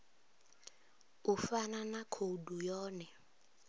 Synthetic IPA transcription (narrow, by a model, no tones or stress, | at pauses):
ufananakʰodujɔːnɛ